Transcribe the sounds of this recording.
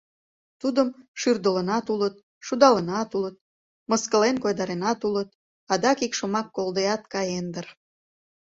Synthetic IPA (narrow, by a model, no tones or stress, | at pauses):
t̪ud̪əmʃyrd̪ələnɑt̪ulət̪̚ | ʃud̪ɑlənɑt̪ulət̪̚ | məskəlenkojd̪ɑɾenɑt̪ulət̪̚ | ɑd̪ɑkikʃomɑkːold̪eɑt̪̚kɑjend̪ər